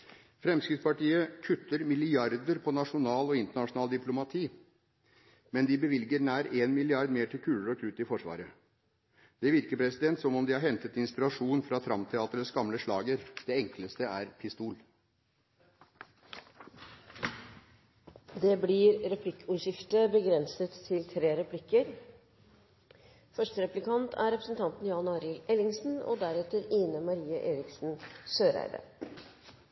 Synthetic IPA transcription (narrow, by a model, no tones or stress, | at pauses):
fɾɛmskɾɪd̪spɑʈiːəkʰʉt̪ːəɾmɪlɪɑɾd̪əɾpʰɔnɑʂʊnɑːlɔɪnt̪əɳɑʂʊnɑːld̪ɪplʊmɑt̪ʰiː | mɛnd̪ɪbəʋɪlɡəɾnæːɾeːnmɪlɪɑɾd̪meːʈʰɪlkʰʉːləɾɔkʰʉt̪ːɪfɔʂʋɑ̰ːɾə | d̪̥ɛʋɪɾkəpʰɾɛsɪd̪ɛnt̪sɔmɔmd̪ɪhɑɾɦɛnt̪ət̪ɪnspɪɾɑʂuːnfɾɑt̪ʰɾɑmpt̪ʰɛɑːt̪əɾəsɡɑmləʂɭɑːɡəɾd̪̥ɛɛŋkləst̪əæɾpʰɪst̪uːl | d̪eːbliɾɾɛpʰlɪkːəuːʂɪft̪əbəɡɾɛnsət̪ʰːɪlt̪ʰɾeːɾɛpʰlɪkːəɾ | fœʂʈəɾɛplɪkʰɑnt̪ʰæ̰ɾɛpɾəsn̩t̪ʰɑnt̪n̩jɑːnɑːɾɪlɛlɪŋsn̩o̰d̪æɾɛt̪əɾiːnəmɑɾiːəʔeːɾɪksn̩søːɾæ̰ɪd̪ə̰